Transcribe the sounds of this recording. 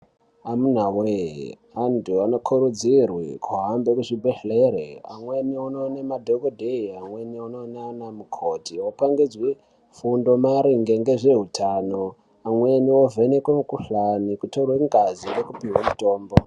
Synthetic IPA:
amun̤awḛ | anduano̞kʰuɾud͡zirwikʰuɦambekuʐibʱeɬleɾea̰mwe̞niononemadʱokodʱeiamweniononaanamukʰotiwopaŋɡid͡zwe | fundo̞maɾiŋɡeŋɡe̞ʐe̞ɦutʰano | amweniovenekwemukuɬanikutorweŋɡazinɡekupiɦwamuto̞ːmbo

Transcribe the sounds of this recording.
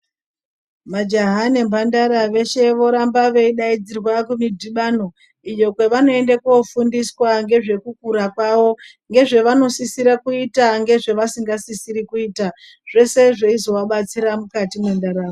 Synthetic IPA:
mad͡ʒaɦane̞mbʱandaɾaʋe̞ʃe̞ʋo̞ɾambaʋe̞iɗaid͡zirwakumidʱiɓano̞ | ijo̞kweʋano̞e̞ndakuofundiswaŋɡe̞ʐe̞kuk̚uɾakwaʋo̞ | ŋɡe̞ʐe̞ʋano̞sisiɾakuitaŋɡe̞ʐe̞ʋasiŋɡasisiɾikuiːta | ʐ̥e̞se̞ʐeizo̞waɓat͡siɾamukatimwendaɾaːo

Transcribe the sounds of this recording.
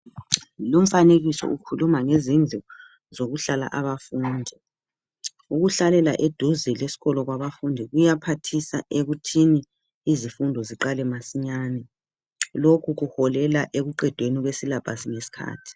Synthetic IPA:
lom̩faneɣisɔ̰ʔukʰulumaŋezind͡ɮʱɔ | zoɣuɬala̰ʔaβafuːndʱi | uɣuɬalɛlaʔed̥ʱuzɛlesi̥ɣɔlɔɣwaβafundʱiɣujapʰatʰisa̰ʔeɣutʰiniː | zifundʱɔziǃalɛmasiɲaːnɛ | lokʰuɣuhɔlɛlaʔeɣuǃɛd̥ʱweniɣwesilab̥ʱasiŋesi̥kʰa̰ːtʰi̥

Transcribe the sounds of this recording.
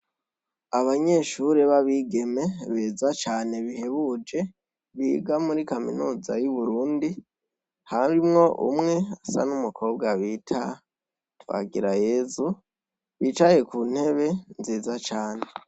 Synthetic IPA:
aβaɲe̞ʃuɾe̞βaβiːɡe̞me̞βezat͡ʃaːne̞βihe̞βud͡ʒe̞ | βiːɡamuɾikaminuːzajuβuɾuːndi | haɾimŋo̞ʔṵmŋe̞asa̰numukʰo̞ːb̚ɡaβiːtʰa | twa̰ɡiɾaje̞zu | βiːt͡ʃaje̞kuːn̥he̞βe̞nziːzat͡ʃaːne̞

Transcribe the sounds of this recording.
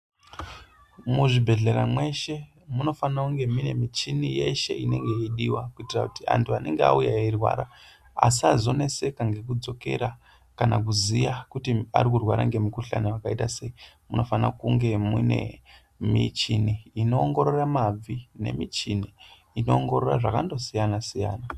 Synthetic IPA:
muʐibʱe̞ɮe̞ɾamwe̞ʃe | muno̞fanauŋɡe̞mine̞mit͡ʃinije̞ʃe̞̰ʔine̞̰ŋɡe̞iɗiwakuitirakutia̰ntʰuane̞ŋɡea̰ujairwa̰ːɾa | a̰s̬iazo̞ne̞se̞kaŋɡe̞k̬ud͡zo̞ke̞̰ɾa | kanak̬uzijakutia̰rikurwaɾa̰ŋɡe̞mukuɬa̰naakaitase̞i | muno̞fana̰kuŋɡe̞mune̞̰ | mit͡ʃiniːno̞ːŋɡo̞ɾo̞ramab͡vine̞̰mit͡ʃiniː | no̞ːŋɡo̞ɾoraʐakando̞sijanasija̰ːna

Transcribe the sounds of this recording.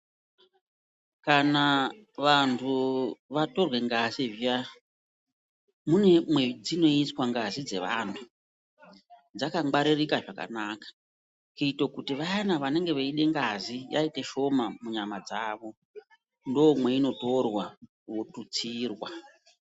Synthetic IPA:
kana | ʋantʰuʋato̞rwe̞ŋɡazivia | mune̞mwe̞d͡zino̞iswaŋɡazid͡ze̞̰ʋa̰ntʰu | d͡zakaŋɡ͡baɾirikaʐaka̰nakḁ | kuitokutiʋajanaʋane̞ŋɡe̞ʋeiɗe̞ŋɡazija̰iteʃo̞mamuɲamad͡zaːʋo̞ | ndoːmwe̞ino̞to̞rwa | wotut͡siːrwa

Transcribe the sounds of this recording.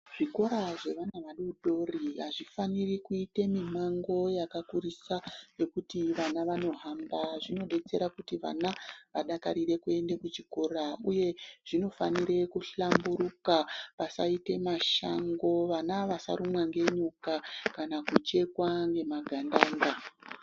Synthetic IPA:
ʐ̥iko̞ɾaʐe̞ʋanaʋaɗuɗo̞riɦaʐifanirikuite̞mimaŋɡo̞jakakurisaje̞kutiʋanaʋano̞ɦambaʐino̞ɗe̞t͡se̞̰ɾakutiʋa̰naʋaɗakaɾire̞kue̞ndekut͡ʃiko̞ɾauje̞ʐ̥ino̞faniɾe̞kuɬambuɾukapasaite̞maʃa̰ŋɡo̞ʋanaʋasa̰ɾumwaŋɡe̞ɲukakanakut͡ʃe̞kwaŋɡe̞maɡʱandaːŋɡa

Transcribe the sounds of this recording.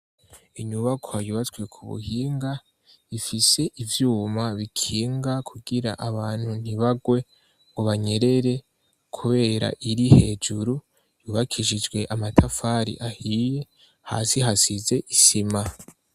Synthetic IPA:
iɲuβakʰohajuβat͡sɡwe̞kʰuβṵhiːŋɡa | ifise̞ʔivjuːmaβikʰiːŋɡakʰuɡiɾa̰ʔaβaːn̥hun̥iβaɡwe̞ | ŋɡoβaɲe̞ɾe̞ɾe̞ | kʰuβe̞ːɾa̰ʔiɾihe̞ːd͡ʒuɾu | juːβakʰiʃid͡ʒɡwe̞ʔamatʰafaːɾḭʔahije̞ | ha̰ːsiɦasize̞ʔisima

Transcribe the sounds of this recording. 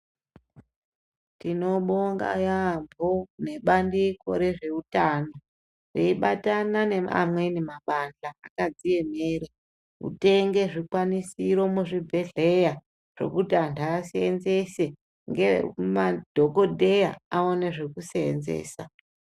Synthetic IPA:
tino̞ɓoŋɡa̰jambʱone̞ɓandiko̞̰ɾe̞ʐe̞utaːna | reiɓatanane̞a̰mwenimaɓand͡ɮaakad͡zije̞meːɾe | ṵte̞ŋɡe̞ʐikwanisiɾo̞muʐibʱe̞ɮe̞ja | ʐ̥o̞̰kutiantʰaːsenze̞se̞ | ŋɡemad̥ʱoko̞dʱe̞ja̰aoneʐe̞kuseḛnzḛːsa

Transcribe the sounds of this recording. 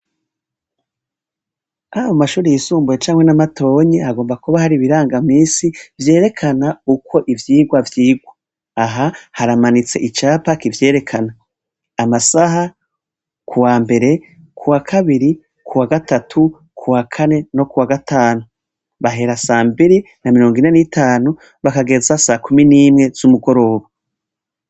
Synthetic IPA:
ajomaʃuːɾijisuːmbuje̞t͡ʃaːmŋwe̞namato̞ːɲiaɡo̞ːmbakuβahaɾiβiɾaːŋɡamiːsivje̞ːɾe̞kʰanaukʰo̞ʔivjiːɡwavjiːɡwa | aɦahaɾamanit͡se̞ʔit͡ʃaːpakivje̞ːɾe̞kʰanaː | masaha | kuwaːmbe̞ɾe̞ | kʰuwakʰaβiɾi | kʰuwaɡatatʰu | kʰuwakʰane̞no̞kuwaɡatʰaːnu | βaɦe̞ɾasaːmbiɾi | namiɾoːŋɡine̞nitʰaːnu | βakaɡe̞zasakuminiːmŋe̞z̥umuɡo̞ɾo̞ːβa

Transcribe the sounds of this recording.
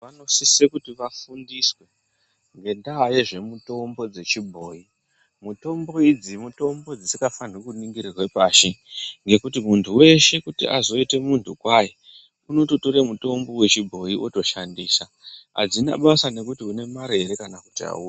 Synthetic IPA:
ʋano̞sisekutiʋafundiswe̞ | ŋɡe̞ndaːje̞ʐe̞muto̞mbo̞d͡ze̞t͡ʃibʱo̞ːi | muto̞mbo̞id͡zimuto̞mbo̞d͡zisikafanikuniŋɡirirwe̞paːʃeŋɡe̞kutimuntʰuwe̞ʃe̞kutḭʔa̰zo̞ite̞muntʰukwaje | uno̞to̞to̞ɾemuto̞mbo̞we̞t͡ʃibʱo̞jiʔoto̞ʃandiːsa | a̰d͡zina̰ɓasane̞kutiune̞maɾe̞ɾekanaku̥tia̰uːa

